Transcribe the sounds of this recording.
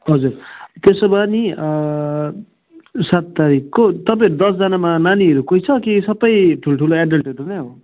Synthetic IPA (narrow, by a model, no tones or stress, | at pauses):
ɦʌd͡zurt̪esobʱʌni | sat̪ːaɾikːot̪ʌpãj̃ɾud̪ʌsd͡zanamananiʌɾukojt͡sʰʌkisʌbʌjʈʰuloʈʰuloaɖʌlʈɦʌɾunʌɦo